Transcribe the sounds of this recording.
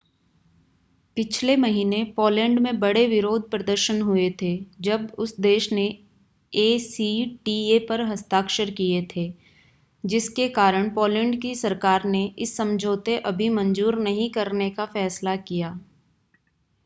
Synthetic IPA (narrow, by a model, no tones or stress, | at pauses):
pɪt͡ʃʰlemɐɦiːnepɔːlɛ̃ːɳɖmẽbɐɽeʋɪɾoːd̪̚ʱpɾɐd̪əɾʃənɦʊet̪ʰeːd͡ʒɐbʊsd̪eːʃne | eːsiʈiːepɐɾɦɐst̪aːkʃəɾkiet̪ʰeː | d͡ʒɪskekaːɾəɽ̃pɔːlɛ̃ːɳɖkisɐɾkaːɾneɪsːɐ̃md͡ʒʱoːt̪eʔɐbʱimɐ̃nd͡ʒuːɾnɐɦĩkɐɾnekafɛːslakijaː